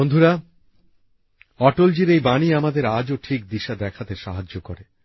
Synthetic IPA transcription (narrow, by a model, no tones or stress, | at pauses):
ond̪ʱuɾa | ɔʈold͡ʑiɾejbaniamad̪eɾad͡ʑoʈʰik̚d̪iʃad̪ɛkʰat̪eʃaɦad͡ʑokoɾe